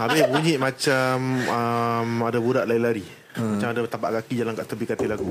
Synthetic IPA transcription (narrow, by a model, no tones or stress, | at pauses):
abɪbəɡuɲiʔmãt͡ʃaməmadabudaʔlailaɾi | mat͡ʃamadat̪apa̰ʔkakid͡ʒalaŋkaʔt̪əbikat̪ilaɡu